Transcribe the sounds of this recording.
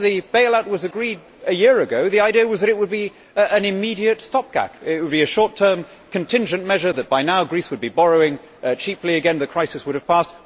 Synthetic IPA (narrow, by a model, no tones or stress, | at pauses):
ðɨb̥eɪlæt̚wʌzɨɡɹiɾ | ɨjɪɹɨɡoʊðiaɪdiəwʌzðɨɾɨt̚wəd̚bi | ɨ̃nɨmiɾiɨtstɑp̚ɡ̥æ̰kɪt̚wəd̚biɨʃɔɹtʰɜ̃˞m | kʰɨ̃ntʰɪ̃nd͡ʒɨ̃nmɛʒə˞ðɨt̚b̥aɪnaʊɡɹiswəd̚bibɑɹoʊɪ̃ŋ | t͡ʃʰipliɨɡɛ̃nðɨkʰɹ̥aɪsɨswʊɾɨv̥pʰæst̚